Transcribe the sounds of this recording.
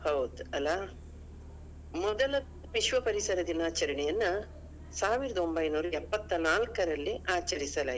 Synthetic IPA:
hɐwd̪ɐlːaː | mɔd̪ɐlɐ | ʋiʃʋɐpɐɾisɐɾɐd̪inaːt͡ʃɐɾɐɳɛjɐnːɐ | saːʋiɾɐd̪ɐo̞mbɐjnuːɾɐɛpːɐt̪ːɐnaːlkɐɾɐlːiaːt͡ʃɐɾisɐlaː

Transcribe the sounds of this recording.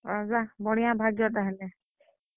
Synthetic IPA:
ɾɔzabɔɽ̃ijãbʱaɡjɔt̪aɦɛlɛ

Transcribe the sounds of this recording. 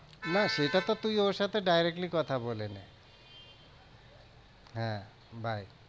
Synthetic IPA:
naʃejʈat̪ɔt̪ujoɾsat̪ʰeɖajɾek̚ʈlikɔt̪ʰabolene | ɦɛ̃ | bʱaj

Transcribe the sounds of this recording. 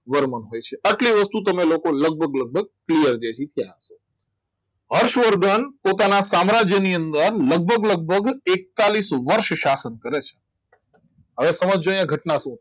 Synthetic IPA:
ʋəɾmənɦojt͡ʃʰeʔəʈliʋəst̪ut̪əmelokoləɡ̚bʱəɡləɡ̚bʱəɡ̚klijəɾd͡ʒed͡ʒit̪ʰijaɦəʃo | ɦəɾʃʋəɾɡənpot̪anasamɾad͡ʒjəniə̃nd̪əɾləɡ̚bʱəɡləɡ̚bʱəɡek̚t̪alisʋəɾʃʃasənkəɾet͡ʃʰe̥ | ɦəʋesəməd͡ʒd͡ʒojãɡʱəʈnaʃũ

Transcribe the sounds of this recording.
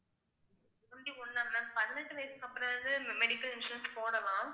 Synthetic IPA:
ɐɳɖiɔnːaːmnãːpɐðɪnɐʈːɯʋɐjɐsɯkɐpːɯɾɐ̃nd̪ɯmmɛɽɪkːɐlɪnsɾɛnspoːɽɐlãː

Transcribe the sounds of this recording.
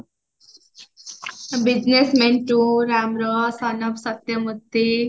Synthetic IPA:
bid͡ʑnesmenʈuɾamɾʌsʌnʌbsʌt̪jʌmut̪ːe

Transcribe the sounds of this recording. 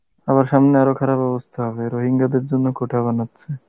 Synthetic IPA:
aβaɾʃamneaɾokʰaɾabɔbost̪ʰaɦɔbeɾoɦiŋɡad̪eɾd͡ʑonːokoʈʰaβanatːɕʰe

